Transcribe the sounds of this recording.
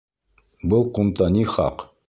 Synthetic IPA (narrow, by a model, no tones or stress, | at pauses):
bɤlˠqumt̪ɑniχɑ̰q